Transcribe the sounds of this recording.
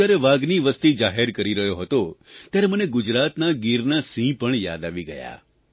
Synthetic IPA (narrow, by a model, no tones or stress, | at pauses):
aɾeʋaɡniʋəst̪id͡ʒaɦeɾkəɾiɾəɦjoɦət̪ot̪jaɾeməneɡʊd͡ʒɾat̪naɡiɾnasĩpəɳja̰d̪aʋiɡəja̰